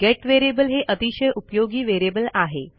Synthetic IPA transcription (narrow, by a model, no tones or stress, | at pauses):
ɡɛʈʋeɾebəlɦeʔət̪iɕəjʔupjoɡiːʋeɾebəlaɦe